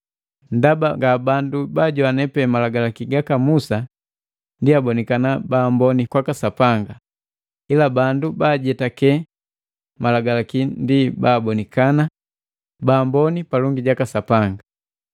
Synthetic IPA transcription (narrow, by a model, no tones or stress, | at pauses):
n̩dabaŋɡabandubaːɟɔanɛpɛmalaɡalakiɡakamusa | ndiabɔnikanabaːmbɔnikwakasapaŋɡa | ilabandubaːɟɛtakɛ | malaɡalakindibaːbɔnikana | baːmbɔnipalɔŋɡiɟakasapaŋɡa